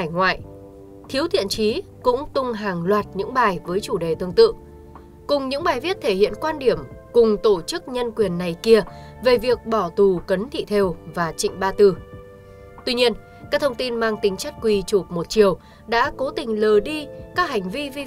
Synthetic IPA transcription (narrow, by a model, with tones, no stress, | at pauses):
a˧˩jŋwa̰ː˧˨j | t̪ʰi˨˦wt̪ʰḭ˧˨ənt͡ɕi˨˦kʊ̰˧˥ŋ͡mt̪ʊ˧ŋ͡mɦaː˨˩ŋlwaː˨˩t̚ɲɨ̰˧˥ŋɓaː˨˩jvəː˨˦jt͡ɕu˧˩ɗe˨˩t̪ɨ˨˧əŋt̪ɨ̰˧˨ | kʊ˨˩ŋ͡mɲɨ̰˧˥ŋɓaː˨˩jvi˦˥ət̚t̪ʰe˧˩hḭ˧˨ənkwaː˧nɗi˧˩əmkʊ˨˩ŋ͡mt̪o˧˩t͡ɕɨ˦˥k̚ɲə˧nkwi˨˩ənːa˨˩jki˧ə | ve˨˩vi˨˩ək̚ɓɔ˧˩t̪u˨˩kə˨˦nt̪ʰḭ˧˨t̪ʰe˧wvaː˨˩t͡ɕḭ˧˨ŋ̟ɓaː˧t̪ɨ˧˩ | t̪wi˧ɲi˧ən | kaː˦˥k̚t̪ʰə˧wŋ͡mt̪i˧nmaː˧ŋt̪ï˨˦ŋ̟t͡ɕa˦˥t̚kwi˨˩t͡ɕu˨˩p̚mo˨˩t̚t͡ɕi˨˩əw | ɗa̰ː˧˥ko˨˦t̪ï˨˩ŋ̟ləː˨˩ɗi˧kaː˦˥k̚ha˨˩jŋ̟vi˧vi˧